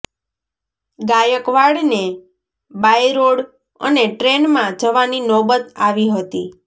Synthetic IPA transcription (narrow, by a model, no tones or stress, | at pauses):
ɡajəkʋaɽne | bajɾoɽ | ə̰neʈɾenmãd͡ʒəʋaninɔbət̪aʋiɦət̪i